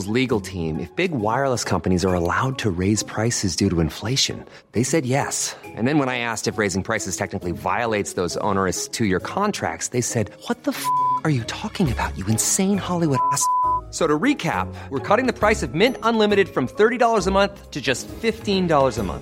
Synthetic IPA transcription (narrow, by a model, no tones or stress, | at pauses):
lzliɡl̩ˠtʰĩmʔɨ̰fb̥ɪɡwaɪə˞ləskʰʌ̃mpɨnizə˞əlaʊd̚tʰɨɹeɪz̥pʰɹ̥aɪsɨzdʉɾəɨ̃ɱfleɪʃɨ̰̃n | ðeɪsɛd̚jɛsʔɨ̰̃nðɨ̃nwə̃ñaɪæstɨfɹeɪzɪ̃ŋpʰɹ̥aɪsɨz̥tʰɛk̚nɨkliva̰ɪəleɪtsðoʊzõ̰ʊnə˞ɨstʰɨjə˞kʰɑ̃ntʰɹ̥æ̰k̚tsðeɪsɛd̚wʌt̪̚ðəfʌkə˞jɨtʰɔkɪ̃ŋɨbaʊt͡ʃɨɨ̃nsẽɪ̃nhɑlˠiwʊɾæsk̚soʊɾəɹikʰæ̰pwəɹkʰɔɾɪ̃ŋðɨpʰɹ̥aɪsʌvmɛ̃ntə̃nlɪ̃mɨɾɨd̥fɹʌ̃mθɜ˞ɾiɾɔlˠə˞zəmʌ̃nθtʰɨd͡ʒʌstfɪftĩndɔlˠə˞zəmʌ̰̃nθ